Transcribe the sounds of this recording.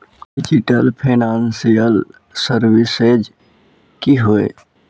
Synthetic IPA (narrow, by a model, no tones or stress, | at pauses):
ɖɪd͡ʒɪʈəlpʰeːnaːnsijəl | səɾwɪsed͡ʒ | kiɦoḛ